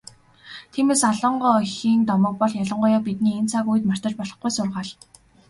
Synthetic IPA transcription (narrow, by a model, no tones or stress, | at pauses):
t̪ʰiːmeːsaɮə̆ɴɢɔːxiːnt̪ɔmɞ̆k̚pɔɮjaɮə̆ɴɢɔːjaːpit̪̚niːent͡sʰakujɘ̆t̪mar̥t̪ə̆t͡ɕpɔɮɞ̆χɡujsʊrʁaːɮ